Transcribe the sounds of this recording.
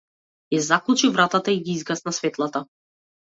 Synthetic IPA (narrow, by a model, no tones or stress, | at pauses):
jazaklˠut͡ʃivɾat̪at̪aiɡiizɡasnasvɛt̪lˠat̪a